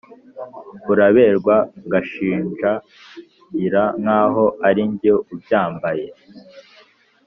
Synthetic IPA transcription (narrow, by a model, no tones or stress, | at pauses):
uɾaβe̞ːɾɡwaɡaʃiːnʒa | iɾaŋ̥haːɦo̞aɾiɲboub̚jaːmbaje